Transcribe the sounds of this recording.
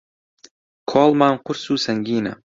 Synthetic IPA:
kʰɔlˠmaɴqʊɾsuːsaŋɡʲiːna̰

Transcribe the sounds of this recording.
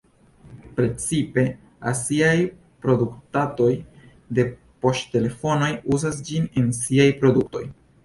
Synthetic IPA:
pɾe̞t͡sipe̞ | asiaj | pɾo̞duktato̞j | de̞ | po̞stte̞le̞fo̞no̞juzas̬d͡ʒinensiajpɾo̞dukto̞̰j

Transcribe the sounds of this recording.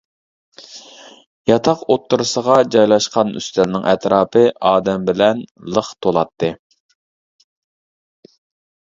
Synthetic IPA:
jɑt̪ʰɑqot̪ːuɾɨsəʁɑd͡ʒɑjlˠɑʃqɑny̰st̪ɛlnɪŋɛt̪ɾɑːpʰɨɑːd̪ɛmbɪlɛnlˠəχt̪ʰolˠɑt̪ʰːɨ

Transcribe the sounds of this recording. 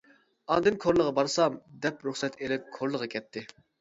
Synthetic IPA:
ɑːd̪ɨnkʰoɾlˠəʁɑbɑɾsɑmd̪ɛpɾuχsɛt̪ʰeɾɪkʲkʰoɾlˠəʁɑkʲʰɛt̪ʰːɪ

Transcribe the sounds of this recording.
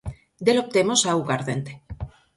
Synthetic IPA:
d̪elop̚t̪emosauɣaɾðent̪e̥

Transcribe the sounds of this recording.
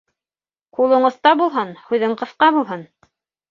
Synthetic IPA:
qulˠɤ̆ɴɤ̆θt̪ɑbulˠɦɤnhʉjðɘɴqɤ̆θqɑbulˠɦɤn

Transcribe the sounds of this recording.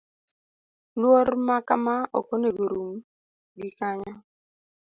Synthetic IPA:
lwoɾmakamao̰koneɡoɾum | ɡikaɲa

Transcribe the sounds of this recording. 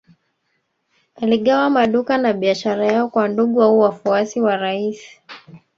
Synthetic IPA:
aliɠawamaɗukanaɓiaʃaɾajaɔkwanduɠuauwafuasiwaɾaisi̥

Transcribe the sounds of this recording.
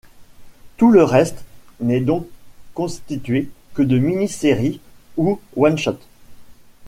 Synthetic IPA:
t̪uləʁɛst̪nɛd̪ɔ̃kːɔ̃st̪it̪ɥekəd̪əminiseʁiuwanʃɔt̪

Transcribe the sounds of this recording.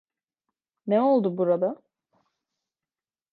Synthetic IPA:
nɛo̞lˠd̪ubuɾad̪a

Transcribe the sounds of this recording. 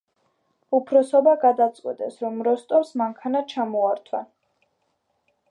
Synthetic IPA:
upʰɾɔsɔbaɡad̪at̪sʼqʼwḭt̪ʼɛsɾɔmɾɔst̪ʼɔɾsmaŋkʰanat͡ʃʰamɔaɾt̪ʰwa

